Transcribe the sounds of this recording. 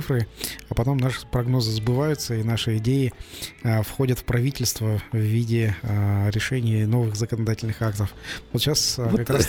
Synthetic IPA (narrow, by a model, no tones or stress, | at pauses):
ɨfɾɨɐpɐt̪o̞mnaʂɨ̥pɾɐɡno̞zɨzbɨvajʊt̪səinaʂɨɪdʲejɪ | fxo̞dʲət̪fpɾɐvʲitʲɪlʲst̪vəvːʲidʲɪɾʲɪʂɛnʲɪjno̞vɨɣzəkənɐd̪atʲɪlʲnɨxak̚t̪əfvot̪ɕaskɐkɾas